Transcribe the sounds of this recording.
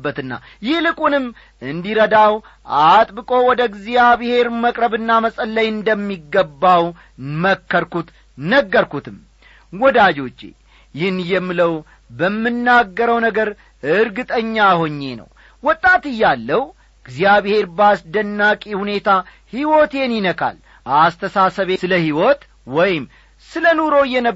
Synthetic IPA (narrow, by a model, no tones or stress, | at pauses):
bːət̪ɨnːa̰ | jɪhlɨkʼunɨmː | ʔɨnd̪iɾəd̪aw | ʔat̪ʼbɨkʼo̞wɔd̪əɡzijaβhe̞ɾməkʼɾəβɨnːaməsʼəlːəjɨnd̪əmːiɡːəbːaw | məkːəɾkut̪ | nəɡːəɾkut̪ʰɨm | wɔd̪ad͡ʒo̞t͡ʃːḛ | jɪnjɛmːɨləw | bəmːɨnːaɡːəɾəwnəɡəɾ | ɨɾɡɨt̪ʼəɲːaho̞ɲːe̞nə̰w | wɔt̪ʼːat̪ɨjːalːəw | ɡziaβehe̞ɾbasd̪ənːakʼihune̞t̪ʰa | hiwot̪e̞njɪnəkʰa̰l | ast̪ʰəsasəβeɨləhiwɔt̪ | wɔjɪm | sɨlənuɾo̞jɛnə